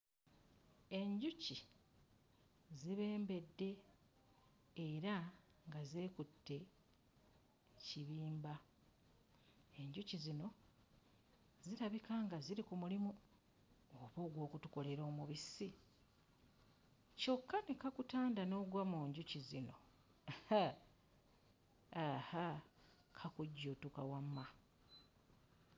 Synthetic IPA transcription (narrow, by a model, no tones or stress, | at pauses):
e̞ɲɟuci | ziβe̞ːmbe̞dːe̞ | ɾa | ŋɡaze̞ːkutːe̞ | ciβiːmba | e̞ɲɟucizino̞ | ziɾaβikaŋɡaziɾikumulimu | oβo̞ːɡwo̞ːkutuko̞le̞ɾo̞ːmuβisi | co̞kːanekakutaːndano̞ːɡwamuːɲɟucizino̞ | ha | aha | kʰakuɟːotukawamːa